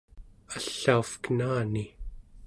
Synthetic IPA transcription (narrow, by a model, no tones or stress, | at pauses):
aɬːaufkənaːni